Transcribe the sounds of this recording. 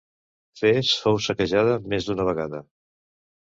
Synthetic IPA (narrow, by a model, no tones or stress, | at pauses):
fesfowsəkəʒað̞əmezd̪unəβ̞əɣaðə